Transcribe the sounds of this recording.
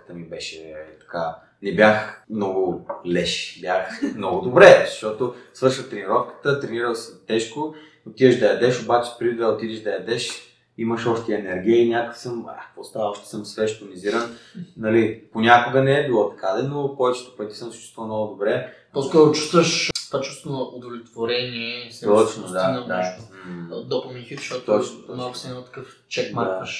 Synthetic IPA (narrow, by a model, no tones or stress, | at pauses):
t̪əmibɛʃɛt̪ɐ̥ka | nɛbjaxmnɔɡʊlɛʃbʲjaxmnɔɡʊd̪obɾɛzʃɔt̪osvɤɾʃət̪ɾɛniɾɔfkə̥t̪ət̪ɾɛniɾəlˠsɛt̪ɛʃko | ot̪id̪əʒd̪ɐjɐd̪ɛʃobat͡ʃɛ̥pɾid̪əot̪id̪ɛʒd̪ɐjɐd̪ɛʃ | iməʃɔʃt̪ɛɛnɛɾɡ̟ʲiəinʲak̪səma̰kvɔst̪avəɔʃt̪ɛ̥səmsvɛʃt̪oniziɾənnɐliponʲakʊɡənɛɛbilˠɔt̪ɐkad̪ɛnokɔvɛt͡ʃɛ̥t̪ɛ̥pət̪isəmsɐ̥t͡ʃu̥t̪vəlˠmnɔɡʊd̪obɾɛ | pɔskɔɾʊt͡ʃu̥st̪vəʃt̪vat͡ʃu̥st̪vonɐʔod̪ovlʲɛt̪voɾɛniɛst̪ɔt͡ʃnod̪and̪anod̪opomʲinifiʃt̪ɔɔt͡ʃnot̪ɔmnaksɛt̪ɐ̥kəf | t͡ʃɛkmad̪aʃ